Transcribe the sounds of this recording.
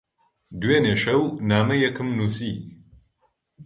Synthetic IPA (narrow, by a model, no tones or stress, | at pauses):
d̪weːneːʃɐwnaːmɐjɐkʰɨmnuːsi